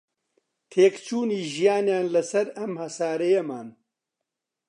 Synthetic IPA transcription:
t̪ʰeːkt͡ʃʰuːniːʒijaːnjaːnlɐsɐɾɐmhɐsaːɾɐjɐmaːn

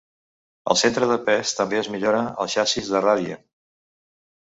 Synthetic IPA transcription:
ə̰lˠsent̪ɾəðəpɛst̪əmbeəzmiʎoɾəə̰lˠʃasizðəraðiə̰

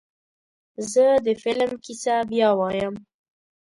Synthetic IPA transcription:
zəd̪əfɪlmkisabjɑwɑjəm

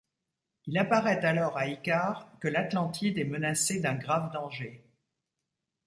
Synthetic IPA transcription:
ilapaʁɛt̪alɔʁaikaʁkəlat̪lɑ̃t̪ʰid̪ɛmənased̪ɛ̃ɡʁavd̪ɑ̃ʒe

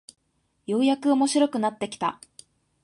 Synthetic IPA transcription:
jo̞ːjakɯ̟o̞mo̞ɕiɾo̞kɯ̟nat̪ːe̞kʲi̥t̪a̰

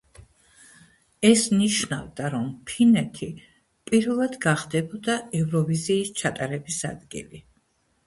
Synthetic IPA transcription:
ɛsniʃnavd̪aɾɔmpʰinɛt̪ʰi | pʼiɾvɛlˠad̪ɡaχd̪ɛbɔd̪aɛvɾɔviziːst͡ʃʰat̪ʼaɾɛbisa̰d̪ɡḭli

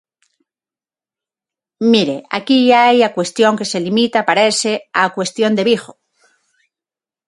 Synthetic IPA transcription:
miɾeakiʝaaajakwe̞st̪jo̞ŋke̞se̞limit̪apaɾeseakwe̞st̪jo̞nd̪e̞βixo

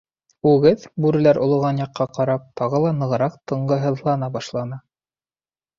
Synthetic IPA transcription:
ʉɡɘðbʉɾɘ̆læɾʔŏlˠŏʁɑnjɑqːɑqɑɾɑp̚t̪ɑʁɤlˠɑnɤ̆ʁɤ̆ɾɑqt̪ɤ̆ɴɢɤɦɤ̆ðlˠɑnɑbɑʃlˠɑnɑ

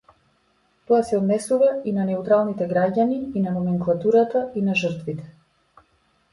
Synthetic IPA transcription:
t̪ɔasɛɔd̪nɛsuvainanɛut̪ɾalˠnit̪ɛɡɾaɟaniinanɔmɛŋklˠat̪uɾat̪ainaʒərt̪vit̪ɛ̥

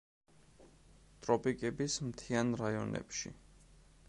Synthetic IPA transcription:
t̪ʼɾɔpʼikʼɛbismt̪ʰianɾaiɔ̰nɛ̰pʃḭ

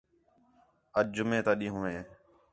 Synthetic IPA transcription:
əd͡ʒʊmẽːt̪aːɗĩːɦũːẽː

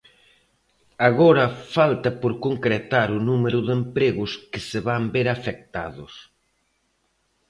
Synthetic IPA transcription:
aɣɔɾɐfalt̪ɐpoɾkoŋkɾet̪aɾʊnumeɾʊðempɾeɣʊskɪseβambeɾafek̚t̪a̰ðʊs

